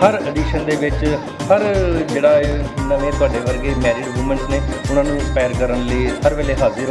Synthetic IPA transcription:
həɾəɖiːʃənd̪eːʋɪt͡ʃ | həɾd͡ʒeːɽaːɪnaʋẽːt̪ʊaːɖeːʋəɾɡeːmɛːɾiːɖmuːmə̃ɳʈneːʊnãːnũːspaːjəɾkəɾənləiːhəɾʋɛːleːɦaːzəɾ

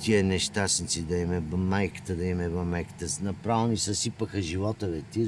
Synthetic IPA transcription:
t̪iənɛʃt̪asnit̪sid̪ɐimɛbɐmajkə̥t̪əd̪ɐimɛbɐmajkə̥t̪əsnɐpɾavnisəsipəxəʒivɔt̪əvɛt̪i

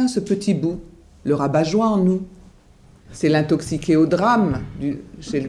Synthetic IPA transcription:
ɛ̃səpət̪ʰibu | ləʁabaʒwɛ̃ɑ̃nu | sɛlɛ̃t̪ɔksikʲeod̪ʁamd̪yʃɛ

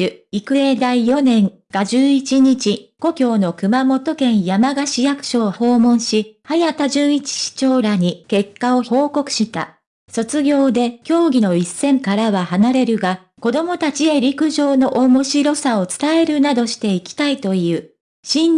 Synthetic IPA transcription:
ikɯ̟ed̪aijo̞nẽ̞ŋ | ɡ̥aʑɨːit͡ɕiɲ̟it͡ɕiko̞kʲo̞ːno̞kɯ̟mamo̞t̪o̞kẽ̞ɰ̃jamaɡaɕijakɯ̟̥ɕo̞ːho̞ːmõ̞ɰ̃ɕihajat̪aʑɨːit͡ɕi̥ɕi̥t͡ɕo̞ːɾaɲ̟ike̞kːao̞ço̞ːko̞kɯ̟̥ɕit̪a̰ | so̞t͡sɨɡʲo̞ːd̪e̞kʲo̞ːɡʲino̞isːẽ̞ŋkaɾaβahanaɾe̞ɾɯ̟ɡa | ko̞d̪o̞mo̞t̪at͡ɕie̞ɾʲikɯ̟ʑo̞ːno̞ʔomo̞ɕiɾo̞sao̞t͡sɨ̥t̪ae̞ɾɯ̟nad̪o̞ɕi̥t̪e̞ikʲi̥t̪ait̪o̞iɯ̟ː | ɕĩn

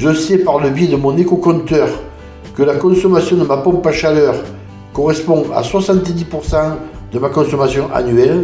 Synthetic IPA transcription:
ʒəsɛpaʁləbjed̪əmɔ̃nekokɔ̃nt̪œʁ | kəlakɔ̃sɔmasjɔ̃d̪əmapɔ̃mpaʃalœʁ | kɔʁɛspɔ̃a̰swasɑ̃nt̪d̪ipuʁsɑ̃ | d̪əmakɔ̃sɔmasjɔ̃ʔa̰nɥɛl

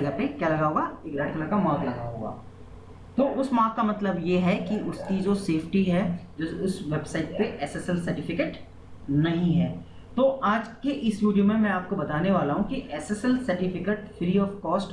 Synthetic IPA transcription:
ɡapekjaːlɐɡaɦoːɡaɪkɾaːɖkɐlakamãːklɐɡaɦo̰ːɡa̰ː | t̪oːʔʊsmãːkkamɐt̪ləbjeɦɛkiʔʊskid͡ʒoseːfʈiɦɛd͡ʒoʊsʋeːbsaːɪʈ̚peʔɛːsesəlsɐɾʈɪfɪkeːʈ | nɐɦĩɦɛː | t̪oːʔaːd͡ʒkeʔɪsʋiːɖijomẽmɛ̃aːp̚kobɐt̪aːneʋaːlaɦũkiʔɛːsesəlsɐɾʈɪfɪkeʈfʰɾiːɔːfkɔːsʈ

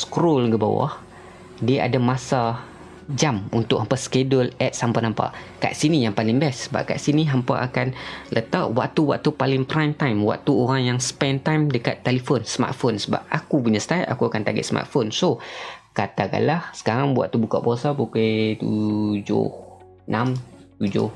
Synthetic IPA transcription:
skɾolɡəba̰wa̰h | diaʔa̰damasa | d͡ʒamunt̪ʊʔhampaskedʊlɛt̪̚sampaʔnampa̰ʔka̰ʔsinijaŋpalɪŋbɛsəba̰p̚ka̰ʔsiniɦampaʔakanlʔət̪aʔwa̰k̚t̪uwa̰ʔ̚t̪upalɪŋpɾajmt̪ajmwa̰ʔ̚t̪uoɾaŋjaŋsə̥pɛnt̪ajmdəkat̪ːelifonsəma̰t̪̚fonsəba̰p̚akupuɲast̪aʔa̰kuakant̪aɡɛ̰t̪sma̰t̪̚fonsokat̪aka̰nlahsə̥kaɾaŋbua̰ʔ̚t̪ubukaʔbosabuket̪ud͡ʒʊ̰h | nãmt̪ud͡ʒʊ̰h

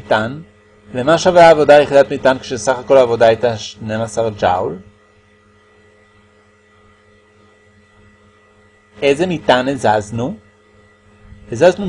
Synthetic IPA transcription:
tan | lemaʃaveaːvo̞daleχid̪atmitankʃesaχako̞laːvo̞daajtaʃne̞masaʁd͡ʒa̰wl | e̞zemitanezaznu | ezaznu

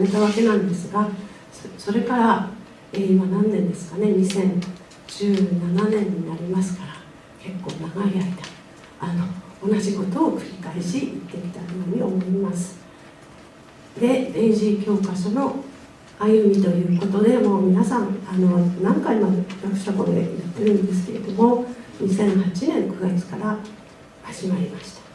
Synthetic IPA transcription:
net̪aβake̞nãnd̪e̞sɨɡa | sso̞ɾe̞kaɾa | eːimanãnd̪ẽ̞nd̪e̞sɨ̥kane̞ɲ̟isẽ̞ɲ | d͡ʑɨːnananẽ̞ɲ̟ːinaɾʲimasɨ̥kaɾa | ke̞kːo̞ːnaɡaiait̪ḁ | ano̞ːnaʑiko̞t̪o̞ːkɯ̟ɾʲikaeɕiit̪ːe̞kʲi̥t̪aoːɲ̟io̞mo̞imasɨ̥ | d̪e̞bẽ̞ɰʑikʲo̞ːkaɕono̞ | ajɯ̟mʲit̪o̞jɯ̟ːko̞t̪o̞d̪e̞mo̞ːmʲinasãŋano̞nãŋkaimadeɾakɯ̟̥ɕt̪ako̰d̪ḛjat̪ːe̞ɾɯ̟̃nd̪e̞sɨ̥ke̞ɾe̞̰d̪o̞mo̞ɲisẽ̞ɰ̃hat͡ɕinẽ̞ŋkɯ̟ɡat͡sɨ̥kaɾa | haʑ̥imaɾʲimaɕi̥t̪ḁ

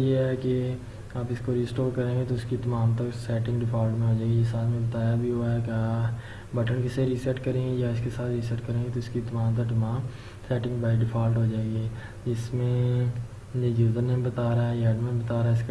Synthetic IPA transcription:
jeɦɛke | aːpɪskoɾiːsʈoːɾkɐɾẽːŋɡet̪oɪskit̪ɐmaːmt̪əksɛːʈɪ̃ŋɡɖɪpʰaːlʈmẽɦod͡ʒaːɡisaːt̪mẽbɐt̪aːjabʱiɦoaɦɛkaː | bɐʈənkeseɾiːsɛʈkɐɾẽːɡejaɪskesaːt̪ʰɾiːsɛʈkɐɾẽːŋɡet̪oɪskit̪ɐmãːmt̪̬ɐkʈ̪ɐmaːm | sɛːʈɪ̃ŋɡbaːɪɖɪpʰaːlʈɦod͡ʒaːeɡieː | d͡ʒɪsmẽ | jed͡ʒuːd̪əɾnẽbɐt̪aːɾaɦɛjɛːɖmẽbt̪aːɾaɦɛɪsk

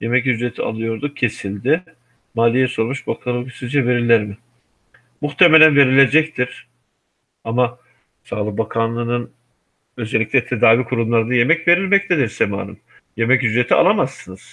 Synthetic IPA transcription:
je̞mɛcyzɾe̞t̪ʰia̰lˠɯjo̞ɾd̪ucʰe̞silʲd̪ɪ | maːlʲijɛso̞ɾmuʃbakʰalˠkʰy̥sid͡ʒɛve̞ɾilʲːæɾmɪ | muxt̪ʰemelʲænve̞ɾilʲe̞d͡ʒɛct̪ʰiɾ̥ | ama | saːlˠɯk̚bakʰanlˠɯnɯn | ø̞zelʲːicʲlʲɛt̪ʰe̞d̪aːvikʰuɾumlˠaɾɯd̪aje̞mɛcve̞ɾilʲmɛc̚t̪ʰed̪iɾsema̰ːɾɯ̰m | je̞mɛcyzɾe̞t̪ʰia̰lˠamasːɯnɯz̥

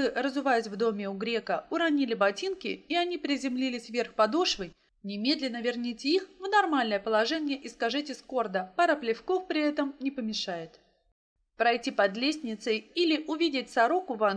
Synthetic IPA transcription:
ɨrəzʊvajɪsʲvd̪o̞mʲɪʊɡɾʲe̞kəʊɾɐnʲilʲɪbɐtʲinkʲɪ̰ɪɐnʲipɾʲɪzʲɪmlʲilʲɪsʲvʲe̞rxpɐd̪oʂvɨj | nʲɪmʲe̞d̪lʲɪnːəvʲɪrnʲitʲixvnɐrmalʲnəjəpəlˠɐʐɛnʲɪjəʔɪskɐʐɛtʲɪsko̞rd̪əpaɾəplʲɪfko̞fpɾʲɪɛt̪əmnʲɪpəmʲɪʂajɪt̪ | pɾɐjtʲipɐd̪lʲesʲnʲɪt̪səjilʲɪʔʊvʲidʲɪt̚ʲsɐɾo̞kʊva

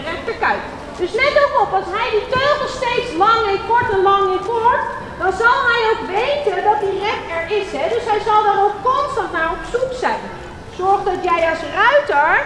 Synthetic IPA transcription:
rɛktəkœɥk | døsnɛtokɔpɑlˠsɦɛjditøːχəstejtslɑŋɪnkɔɹtɛnlɑŋɪnkɔɹt | d̥ɔnzɑlˠɦɛjowkʋejtəndɔt̚dirɛpɛɹɪshɛdøsɦɛjzɑlˠdɔnowkkɔnstɑntnarɔpsuksɛj | sɔɹxdɔtjɛjɑsrœɥtəɹ

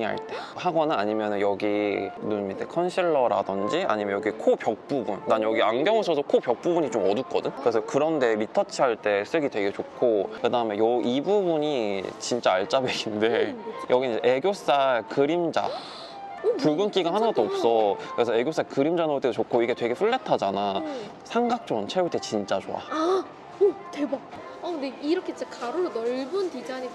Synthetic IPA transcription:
ɦa̰ɭt͈ehaɡʌnɯnaɲimjʌnɯnjʌɡinunmitʰekʰʌnɕʰiɭːʌɾa̰dʌnd͡ʑia̰ɲimjʌnjʌɡikʰopjʌk̚p͈ubunːanjʌɡiaŋɡjʌŋɯɕʰʌsʰʌkʰopjʌk̚p͈ubuɲit͡ɕomʌduk͈ʌdɯnkɯɾesʰʌkɯɾʌnde̞mitʰʌt͡ɕʰiɦaɭt͈e̞s͈ɯɡidwe̞ɡe̞t͡ɕokʰːokɯdaɯmejʌibubuɲit͡ɕint͡ɕ͈aːɭt͡ɕ͈abeɡʰinde̞jʔʌɡinʔe̞ɡjos͈aɭkɯɾimd͡ʑa̰ | puɭbunk͈iɡahanɯnɡʌt͈oɔp̚s͈ʌkɯɾe̞sʰʌe̞ɡjos͈akɯɾimd͡ʑanɯɾot͈edot͡ɕokʰːoiɡe̞twe̞ɡe̞ɸuɭːetʰad͡ʑana | sʰaŋɡak̚t͡ɕ͈ʌɡɯnt͡ɕʰeuɭt͈et͡ɕint͡ɕ͈at͡ɕo̰a̰a | teba | ʌndeiɾʌkʰet͡ɕekaɾoonʌɭbuntid͡ʑaɲi

